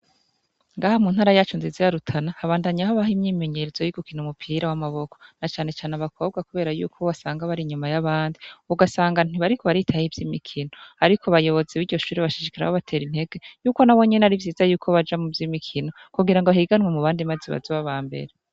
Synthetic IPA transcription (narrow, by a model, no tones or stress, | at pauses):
ŋɡaːhamunhaːɾajaːt͡ʃunzizijaɾutʰanahaβaːndaɲaɦoβaɦimɲiːme̞ɲeɾez̥ojiɡukinumupʰiːɾawamaβo̞kʰo̥nat͡ʃaːne̞t͡ʃaːneaβakʰo̞ːb̚ɡakuβe̞ːɾajṵːkʰoβasaːŋɡaβaɾiɲumajaβaːndiuɡasaːŋɡan̥iβaɾikʰo̞βaɾitʰahivjiːmikʰino̞aɾikʰoβajo̞βo̞zeβiːɟo̞ʃuːɾiβaʃi̥ʃikiɾa̰hoβatʰe̞ːɾin̥he̞ɡ̥e̞juːko̞nawo̞ɲeneaɾivjiːzajuːkʰo̞βad͡ʒamuvjiːmikʰino̞kuɡiɾaŋɡoβahiɡanwemuβaːndimaziβa̰zoβaβaːmbḛɾe